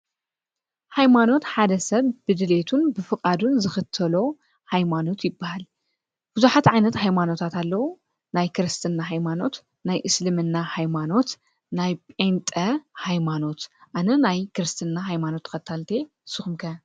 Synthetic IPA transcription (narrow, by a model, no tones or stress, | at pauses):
hajmano̞t̪ħad̪ɐsɐβbɨd̪ɨle̞t̪ʰunbɨfɨkʼad̪unzɨxɨt̪ʰːɐlo̞ | hajmano̞t̪jɪbːahal | b̥ɨzuħat̪ʕajnɐt̪hajmano̞t̪ʰat̪alːɐwu | najkʰɨɾɨst̪ʰɨnːaɦajmano̞t̪ | najʔɨslɨmɨnːahajmano̞t̪ | najpʼent̪ʼɐhajmano̞t̪ʔanɐnajkɨɾɨst̪ʰɨnːaɦajmano̞t̪ʰːkɐt̪ʰːalt̪ʰe̞ | sɨxumkʰɐ